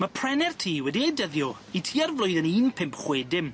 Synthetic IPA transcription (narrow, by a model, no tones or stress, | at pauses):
məpʰr̥ɛnɛrtʰiːwɛdidəðjɔ | itʰiːarvlˠʊɨðəniːnpʰɪmpʰχweːdɪm